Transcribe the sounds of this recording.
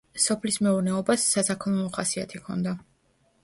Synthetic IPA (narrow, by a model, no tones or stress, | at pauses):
sɔpʰlismɛuɾnɛɔbasːasakʰlˠunɔχasia̰t̪ʰikʰɔ̰nd̪a